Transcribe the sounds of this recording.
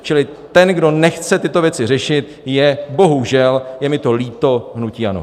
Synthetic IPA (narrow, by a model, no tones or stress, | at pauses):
t͡ʃɪlɪt̪ɛnɡdo̞nɛxt͡sɛt̪ɪt̪o̞vjɛt͡sɪr̝ɛʃɪt̪ | jɛbo̞ɦuʒɛljɛmɪt̪o̞liːt̪o̞ɦnuciːʔano̰